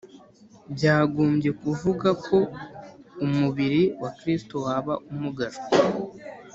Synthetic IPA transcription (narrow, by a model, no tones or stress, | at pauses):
bɟaːɡuːmbɟe̞kuvuɡakʰo̞ | umuβiɾiwakɾistowaːβaʔumuɡaɾo̥